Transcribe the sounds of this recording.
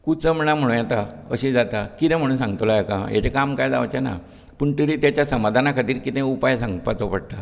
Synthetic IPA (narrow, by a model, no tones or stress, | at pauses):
kut͡səm̤ənam̤əɽ̃ũːjɛt̪aə̰ɕĩd͡zat̪akit̪ɛ̃m̤əɽ̃uːnsãŋɡt̪olajakãja̰t͡ɕekamkajd͡za̰ʋt͡ɕena̰ | puɳʈəɾiːt̪jat͡ɕjasəmad̪ʱanakʰat̪iːɾkit̪ɛ̃upajsãŋɡpat͡sopəɽt̪a